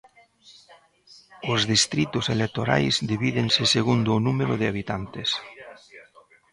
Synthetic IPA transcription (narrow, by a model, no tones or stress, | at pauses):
ʊzðist̪ɾit̪ʊselek̚t̪oɾa̰jzd̪iβiðeŋsɪseɣund̪ʊːnumeɾʊðɪaβ̞it̪ant̪ɪs